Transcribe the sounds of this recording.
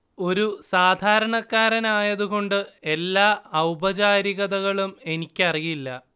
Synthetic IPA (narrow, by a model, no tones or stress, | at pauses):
o̞ɾusaːd̪ʱaːɾɐɳɐkːaːɾɐnaːjɐðuɣo̞ɳɖɨe̞lːaːɐwbɐt͡ɕaːɾiɣɐðɐɣɐɭume̞nikʲːɐrijiilːɐ